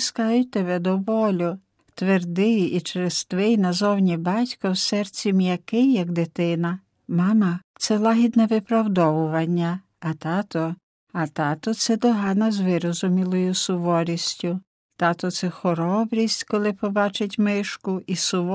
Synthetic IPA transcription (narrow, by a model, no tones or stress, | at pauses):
skɑjʊt̪eβɛd̪ɔʋɔlʲʊ | t̪ʋerd̪ɪjit͡ʃɾest̪ʋɪjnɐzɔwnʲibɑtʲkɐwsɛrt͡sʲimjɐkɪjːɐɡd̪ɪt̪ɪnɐ | mɑmɐt̪sɛlˠɑɦʲid̪nɛʋɪpɾɐwd̪ɔʋʊʋɐnʲːɐ | ɐt̪ɑt̪ɔ | ɐt̪ɑt̪ɔt̪sɛd̪ɔɦɑnɐzʋɪɾɔzʊmʲilˠɔjʊsʊʋɔɾʲisʲtʲʊ | t̪ɑt̪ɔt̪sɛxɔɾɔbɾʲisʲtʲkɔlˠɪpɔbɑt͡ʃɪtʲmɪʃkʊʔisʊʋɔ